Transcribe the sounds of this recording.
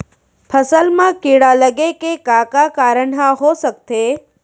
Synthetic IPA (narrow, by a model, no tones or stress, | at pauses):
pʰəsəlmãkiɽaləɡekekakakaɾəɳɦãɦosək̚t̪e